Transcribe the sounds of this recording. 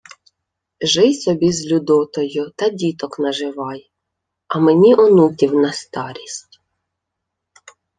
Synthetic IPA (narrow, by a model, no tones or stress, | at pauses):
ʒɪjsɔbʲizlʲʊd̪ɔt̪ɔjʊt̪ɐdʲit̪ɔknɐʒɪʋɑj | ɐmenʲiʔɔnutʲiwnɐst̪ɑɾʲisʲtʲ